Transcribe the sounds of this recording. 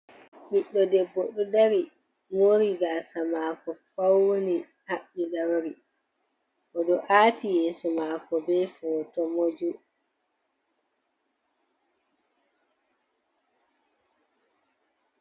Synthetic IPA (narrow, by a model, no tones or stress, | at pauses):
ɓiɗːɔdɛbːoɗudaɾi | moɾiɡasamakɔfawːoni | haɓːiɗawɾi | ʔɔɗɔʔatijɛːsɔmakɔbɛfɔtɔmod͡ʒu